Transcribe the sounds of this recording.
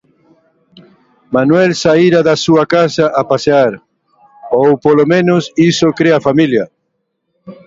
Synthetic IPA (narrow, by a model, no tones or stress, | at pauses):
manwɛlsaiɾaðasuakasaʔapaseaɾ | owpolomẽnʊsisokɾeafamiljɐ